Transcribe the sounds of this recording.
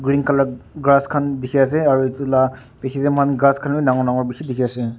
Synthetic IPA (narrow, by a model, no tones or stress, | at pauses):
ɡɾinkalaɡɾaskʰandikʰeas̬eaɾutila | pekʰidemhʰanɡɾaskʰaninaŋɔnaŋɔɾbikʰidikʰijase